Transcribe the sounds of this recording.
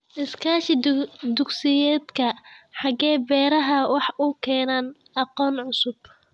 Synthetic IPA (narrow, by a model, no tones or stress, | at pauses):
ʔɪskʰaːʃɪd̪ʊɡsɪjɛːd̪kʰɐħɑɡɛːbɛːɾɐɦɐwɑħʔʊkʰɛːnaːnʔɑqɔːnʕʊsʊb̥̚